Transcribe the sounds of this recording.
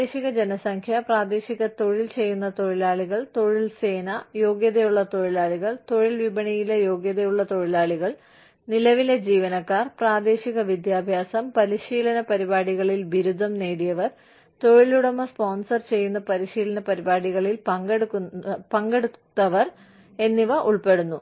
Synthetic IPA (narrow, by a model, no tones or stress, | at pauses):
eːɕiɣɐd͡ʑe̞nɐsɐŋkʰjɐpraːd̪e̞ːɕiɣɐt̪o̞ɻilt͡ɕe̞jːunːɐt̪o̞ɻilaːɭiɣɐɭt̪o̞ɻilse̞ːnɐjo̞ːɡjɐðɐjuɭːɐt̪o̞ɻilaːɭiɣɐɭt̪o̞ɻilʋibɐɳijilejo̞ːɡjɐðɐjuɭːɐt̪o̞ɻilaːɭiɣɐɭ | nilɐʋiled͡ʑiːʋɐnɐkːaːrpraːd̪e̞ːɕiɣɐʋid̪jaːbʱjaːsɐmpɐɾiɕiːlɐnɐpɐɾibaːɽiɣɐɭilbiɾud̪ʱːɐmneːɽijɐʋɐr | t̪o̞ɻiluɽɐmːɐspo̞ːnsɐrt͡ɕe̞jːunːɐpɐɾiɕiːlɐnɐpɐɾibaːɽiɣɐɭilpɐŋɡeɽukːpɐŋɡeɽut̪ːɐʋɐr | e̞nːiʋɐʔuɭpe̞ɽunːu